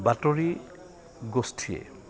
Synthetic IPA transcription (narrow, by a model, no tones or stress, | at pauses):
batoɹi | ɡostʰijḛ